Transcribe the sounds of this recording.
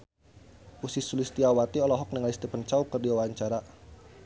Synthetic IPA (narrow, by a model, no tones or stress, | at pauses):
ʔusisulist̪iawat̪iɔlɔɦɔk̚nəŋalist̪ipənt͡ʃaukərdiwawaɲt͡ʃaɾa